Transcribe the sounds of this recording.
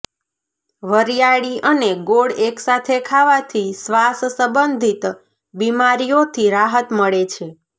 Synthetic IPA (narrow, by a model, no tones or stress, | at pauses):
ʋəɾijaɭiʔəneɡoɽeksat̪ʰekʰaʋat̪ʰisʋassəbənd̪ʱit̪ | bimaɾijot̪ʰiɾaɦət̪məɭet͡ʃʰe